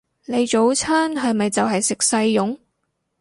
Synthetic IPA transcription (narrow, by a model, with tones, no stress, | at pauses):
ne˨˧jt͡ʃo˨˥wt͡sʰaː˥nɦɐ˨jmɐ˨jt͡sɐ˨wɦɐ˨jsɪ˨k̚sɐ˧jːʊ˨˥ŋ